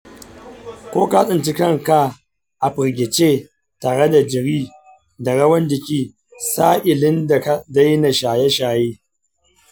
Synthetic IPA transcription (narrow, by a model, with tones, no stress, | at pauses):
kʷoː˦ka˦sʼɪ˨nt͡ʃɪ˦kɐ˦˨ŋka˨ | ʔa˨ɸɪ˨ɾɡʲɪ˨t͡ʃeː˦˨ | taː˨ɽe˦da˨d͡ʒɪ˨ɾiː˦ | da˨ɽɐ˦wɐ˦nd͡ʒɪ˨kʲiː˦ | saː˦ʔɪ˨lɪ˦nda˦da˦jna˨ʃaː˨jɛ˦ʃaː˨jeː˦